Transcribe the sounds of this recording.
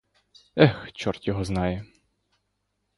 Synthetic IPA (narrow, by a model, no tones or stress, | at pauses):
ɛxt͡ʃɔrt̪ʲjɔɦɔznɑjɛ